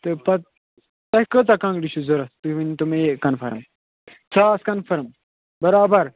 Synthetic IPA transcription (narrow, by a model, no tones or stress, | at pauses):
t̪ɨpɐt̪̚ | t̪ɐhkət̪̬akãŋɡɖiʃuzoɾɐst̪ɨʋint̪umekːɐnfʰɐ̰ɾm | t͡sʰaːskɐnfɐɾm | bɐɾaːbɐɾ